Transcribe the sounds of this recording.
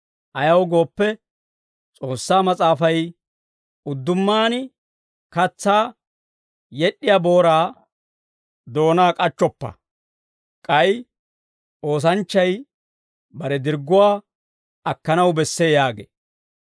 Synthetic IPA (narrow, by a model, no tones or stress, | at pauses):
ʔɐjɐwɡo̞ːpːɛ | t͡sʼo̞ːsːaːmɐt͡sʼaːfɐj | ʊd̪ːʊmːaːnɪ | kɐt͡sːaː | jɛɗːɪjabo̞ːɾaː | d̪o̞ːnaːkʼɐt͡ʃːɔpːɐ̰ | kʼɐj | o̞ːs̬ɐnt͡ʃːɐj | bɐɾɛd̪ɪɾɡʊwaː | ɐkːɐnɐwbɛsːeːjaːɡḛː